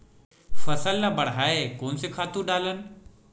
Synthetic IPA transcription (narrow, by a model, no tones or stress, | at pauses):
fɐsəlːabɐɽ̤ɦaːekoːnsekʰaːt̪ũɗaːlənɪ̆